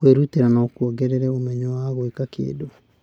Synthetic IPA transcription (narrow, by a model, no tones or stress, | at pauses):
weɾuteɾanaokuɔɡɛɾɛɾɛomɛɲɔwaɣoekakḛːdo